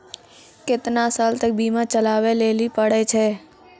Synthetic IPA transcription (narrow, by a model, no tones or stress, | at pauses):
kɪt̪nasaːlt̪ək̚biːmãt͡ʃəlaːweleːlipəɽɛt͡ʃʰɛː